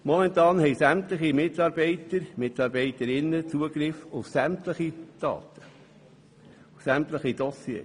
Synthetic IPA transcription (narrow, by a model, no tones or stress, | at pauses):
mɔmɛnt̪ɑːnhɛɪsæmt̪ləχimɪt̪ɑɾbɛɪt̪əɾmɪtɑːɾbɛɪt̪əɾɪnːət͡suəɡɾɪfʊfsæmtləχid̪̥ɑ̰ːt̪ʰə̥ | ʊfsæmt̪ləχid̪ɔsjḛː